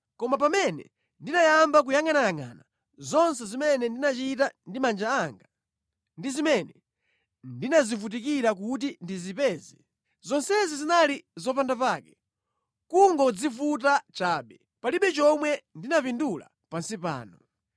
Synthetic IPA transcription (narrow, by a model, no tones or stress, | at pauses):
kɔmapamɛnɛ̰ | ndinajambak̬ujaŋanajaŋa̰na | zɔnsɛzimɛnɛndinat͡ʃitandimand͡ʒaaŋɡa | ndizimɛnɛ | ndinazifut̬ik̬iɾak̬ut̬indizipɛːzi | zɔnsɛzizinalizɔp̬andapaːkɛ̥ | kuŋɡɔd͡zifut̬at͡ʃaːɓɛ | paliɓɛt͡ʃɔmwɛndinapindula̰ | pansipa̰ːnɔ